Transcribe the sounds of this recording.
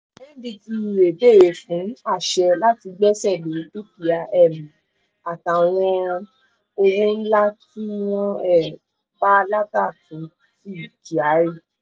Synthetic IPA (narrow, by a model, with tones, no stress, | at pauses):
ɛ̃˦di˧ti˧˨ɾe˨be˦˨je˨fũ˨˦a˦˨ʃɛ˧la˦ti˧ɡ͡bɛ˦sɛ˦˨le˨˦du˦pi˨a˧ʔɛ˦˨mĩ˨ | a˨tã˨w̃ɔ̃˧ | o˧wũ˦n̩˦la˦ti˦wɔ̃˦ɛ˦˨ | ba˦la˦ta˦˨tũ˨˦ | ti˦˨ki˨a˨˦ɾi˦˨